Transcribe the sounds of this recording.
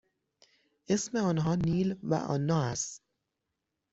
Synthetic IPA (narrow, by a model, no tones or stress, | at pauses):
ʔesmeɒːnɦɒːniːlvæ̰ʔɒ̰ːnːɒːæst̪